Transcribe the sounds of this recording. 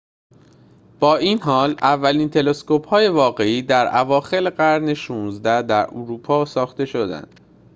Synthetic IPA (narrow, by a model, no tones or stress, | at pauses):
b̥ɒːiːnɦɒːlævːæliːnt̪ʰe̞le̞sko̞phɒːje̞vɒːɢe̞iːd̪æɾævɒːxe̞leɢæɾne̞ʃuːnzd̪æd̪æɾʔuɾuːpʰɒːsɒːxt̪e̞ʃo̞d̪æ̰nd̪̥